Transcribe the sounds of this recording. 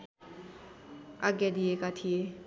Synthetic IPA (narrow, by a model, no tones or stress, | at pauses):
a̰ɡjad̪iekat̪ʰie